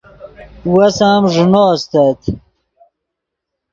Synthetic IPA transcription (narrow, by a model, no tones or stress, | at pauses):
wɐsaːmʐnoːst̪at̪